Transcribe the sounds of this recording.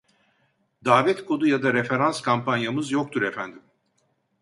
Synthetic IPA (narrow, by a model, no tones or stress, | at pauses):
d̪aːvɛt̪kʰo̞d̪ujad̪aɾefe̞ɾanskʰampʰanjamɯzjo̞k̚t̪ʰuɾefænd̪im